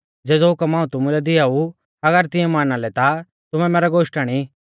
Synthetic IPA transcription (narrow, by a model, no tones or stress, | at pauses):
d͡zɛːd͡zɔɦʊkəmãːũt̪ʊmũlɛd̪ɪau | ɐɡəɾt̪ɪ̃ɛ̃maːnalɛt̪a | t̪ʊmɛ̃mɛːɾɛɡoːʃʈaːɽ̃i